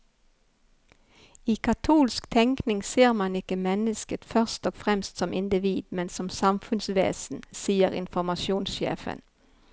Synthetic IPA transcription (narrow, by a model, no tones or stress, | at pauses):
iːkʰɑt̪ʰuːlskt̪ʰɛŋknɪŋseːʁmɑnɪkəmɛnəskət̪fœʁst̪ɔːɡfʁɛmst̪sɔmʔɪnd̪ɪʋiːd̪mɛnsɔmsɑmfʉnsʋḛːsn̩siːəʁɪ̰nfɔʁmɑʃuːnsʃḛːfə̰n